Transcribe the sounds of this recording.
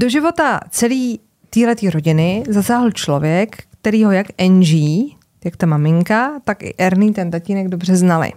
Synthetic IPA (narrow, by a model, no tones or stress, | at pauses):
do̞ʒɪvo̞t̪at͡sɛliː | t̪iːlɛt̪iːɾo̞ɟɪnɪzasaːɦl̩t͡ʃlo̞vjɛkːt̪ɛɾiːɦo̞jakʔɛnʒiː | jakt̪amamɪŋkat̪akʔɪ̰ʔɛɾniːt̪ɛnt̪aciːnɛɡdobr̝ɛznalɪ̰